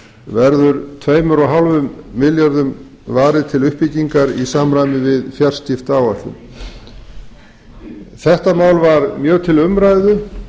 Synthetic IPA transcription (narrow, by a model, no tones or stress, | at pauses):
vɛɾðʏɾt̪ʰveːjmʏɾɔɦalvʏmːɪljaɾðʏm | vaːɾɪðt̪ʰɪlʏhpɪciŋkaɾisaːmɾajmɪvɪðfjar̥st̪ɪft̪aːwaht̪ʏ̰m | θɛht̪amaːwlvaɾmjœːɣt̪ʰɪlʏmɾaːjðʏ